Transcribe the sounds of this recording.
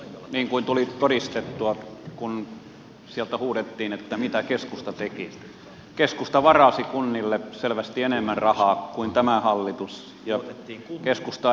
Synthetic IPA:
niːŋkuint̪ulit̪oɾist̪et̪ːuɑkun | siælt̪æhuːɾet̪ːiːnet̪ːæmit̪ækeskust̪ɑt̪eki | keskust̪ɑʋɑrɑsikunːilːeselʋæst̪ienemːænrɑhɑːkuint̪æmæhɑlːit̪us | jɑkeskust̪ɑ

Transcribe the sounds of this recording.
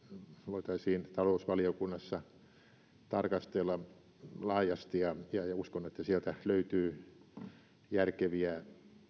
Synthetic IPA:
ʋoit̪ɑisiːnt̪ɑlousʋɑliokunːɑsːɑ | t̪ɑrkɑst̪elːɑ | lɑːjɑst̪ijɑjɑjɑuskonːet̪ːæsiælt̪æløyt̪yː | jærkeʋiæ

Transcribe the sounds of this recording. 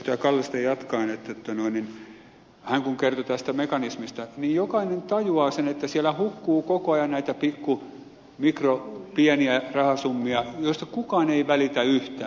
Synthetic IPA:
t̪ojɑkɑlːist̪ejjɑt̪kɑinet̪ːæt̪ːɑnoinin | hæŋkuŋkert̪ot̪æst̪æmekɑnismist̪ɑniːjjokɑinent̪ɑjuɑːsenet̪ːæsiælæhukːuːkokoɑjɑnnæit̪æpikːu | mikropiɛniærɑhɑsumːiɑjoist̪ɑkukɑːneiʋælit̪æyht̪æ̰ː

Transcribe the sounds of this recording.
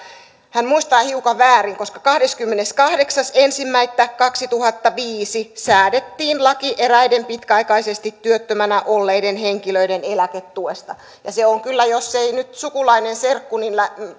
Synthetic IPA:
hænmuist̪ɑːhiukɑʋʋæːriŋkoskɑkɑhdeskymːeneskɑhdeksɑsensimːæit̪ːækkɑksit̪uhɑt̪ːɑʋiːsisæːdet̪ːiːnlɑkiʔeræidempit̪kæɑikɑisest̪it̪tyøt̪ːømænæʔolːeidenheŋkiløidenelæket̪tuest̪ɑ | jɑseoŋkylːæjosːeinyt̪sukulɑinenserkːuninlæ

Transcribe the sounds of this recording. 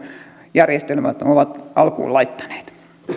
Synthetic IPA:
jærjest̪elmæt̪oʋɑt̪ɑlkṵːlɑit̪ːɑ̥ne̥ːt̪

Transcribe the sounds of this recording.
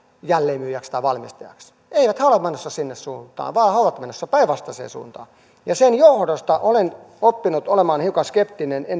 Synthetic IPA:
jælːeːmyːjækst̪ɑiʋɑlmist̪ɑjɑ̰ks | eiʋæt̪hæolemenːosːɑsinːessuːnt̪ɑ̰ːʋɑːhɑoʋɑt̪menːosːɑpæiʋɑst̪ɑsḛːsṵːnt̪ɑ̰ː | jɑsenjohdost̪ɑʔolen | opːinut̪olemɑːnhiukɑskep̚t̪inenen

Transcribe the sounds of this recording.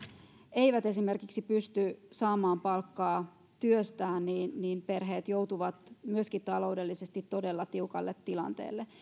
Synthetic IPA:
e̞iʋæt̪e̞sime̞rkiksipyst̪ysɑːmɑːmpɑlkːɑː | t̪yøst̪æːnniːnniːnpe̞rɦeːt̪jouwt̪uʋɑt̪myøskit̪ɑlo̞ude̞lːisest̪it̪tːo̞delːɑt̪iukɑ̰lːet̪ːilɑ̰nt̪ḛːlːe

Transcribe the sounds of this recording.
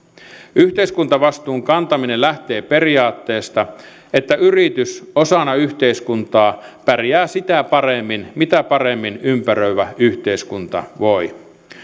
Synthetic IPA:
yht̪eiskunt̪ɑʋɑst̪uːŋkɑnt̪ɑminellæht̪e̞ːperiɑːt̪ːeːst̪ɑ | et̪ːæʔyrit̪ysosɑnɑyçt̪eiskunt̪ɑːpærijæːsit̪æpɑremːinmit̪æpɑremːinympærøyʋæyht̪eiskunt̪ɑ̰ʋoi

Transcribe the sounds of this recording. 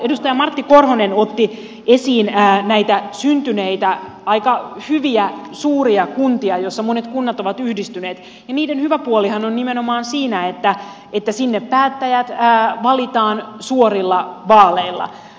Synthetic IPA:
edust̪ɑjɑmɑrt̪ːikorhonenot̪ːi | esiːnːnæit̪æsynt̪yneit̪æ | ɑikɑhyʋiæsuːriɑkunt̪iɑjosːɑmonet̪kunːɑt̪o̞ʋɑt̪yhdist̪yneːt̪ | jɑniːdenhyʋæpuolihɑnonnimenomɑːnsiːnæet̪ːæ | et̪ːæsinːeppæːt̪ːæjæt̪ːʋɑlit̪ɑːnsuorilːɑʋɑːleilːɑ̰

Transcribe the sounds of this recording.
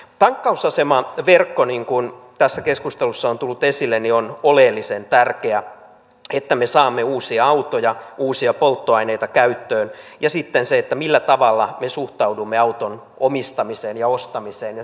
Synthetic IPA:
t̪ɑŋkːɑusɑsemɑʋerkːoniŋkunt̪æsːækeskust̪elusːɑont̪ulːut̪esilːenionolelːisent̪ærkeæ | et̪ːæmesɑːmːeuːsiɑɑut̪ojɑuːsiɑpolt̪ːoɑineit̪ɑkæyt̪ːøːnjɑsit̪ːenseet̪ːæmilːæt̪ɑʋɑlːɑmesuht̪ɑudumːeɑut̪on | omist̪ɑmiseːnjɑost̪ɑmiseːnjɑ

